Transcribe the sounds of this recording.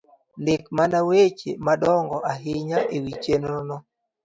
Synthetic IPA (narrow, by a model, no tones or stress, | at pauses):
ndɪkmanawet͡ʃḛmadɔŋɡɔʔaɦɪɲaʔewit͡ʃenɔnɔ